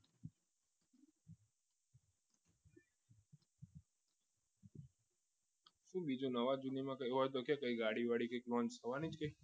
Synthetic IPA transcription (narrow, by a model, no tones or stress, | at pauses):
ʃũɓid͡ʒonəʋad͡ʒunimãkəjɦɔt̪okjakəiɡaɽiʋaɽikəjklɔ̃nt͡ʃsʰəʋanid͡ʒkəi